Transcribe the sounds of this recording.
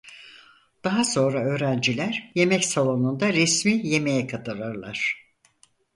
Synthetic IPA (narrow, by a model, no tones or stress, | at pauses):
d̪̥aɦaso̞nɾaø̞ːɾænd͡ʒilʲæɾ̥je̞mɛcsalˠo̞nund̪aɾɛsmije̞me̞jɛkʰat̪ʰɯɾaɾlˠaɾ̝̥